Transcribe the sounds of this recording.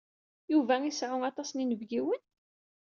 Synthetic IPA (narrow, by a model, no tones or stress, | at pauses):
juvæisʕʊnɑt̪ˤɑsninəvɡiwən